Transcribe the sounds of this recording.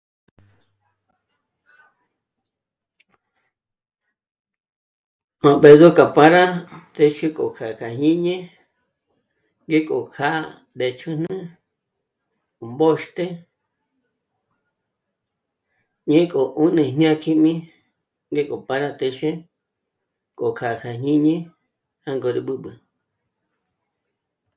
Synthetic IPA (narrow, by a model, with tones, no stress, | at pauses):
õ˨be˨zo˦ka˨pa˧ɾa˦t̪e˧ʃe˦kʼo̰˨kʰa˨kʰa˨hĩ˦ɲẽ˦ | ŋɡe˦kʼo˨kʰa̰˦˧ | d̪e˧t͡ʃʰu˦n̥ɨ̃ɨ̃˦ | ko˨mbo˦ʃt̪e˦ | ɲẽ˦kʼo˨ʔu˦nĩ˧ɦɲã˦kʰĩ˦mĩ˦ | ŋɡe˦kʼo˨pa˧ɾa˧t̪e˧ʃe˦ | kʼo˨kʰa˨kʰa˨ɲĩ˦ɲẽ˦ | ha˦ŋɡo˧ɾi˧ɓɨ˦ɓɨ˨